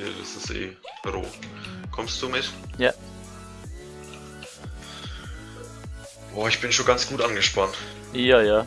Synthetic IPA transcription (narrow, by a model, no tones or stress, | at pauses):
ida̰sɪstʔḛːʁo̰ːkʰɔmst̚d̥uːmɪtja | ʔoːɪçb̥ɪnʃoːnɡant͡sɡ̥uːtʔanɡəʃpantː | jaːjaː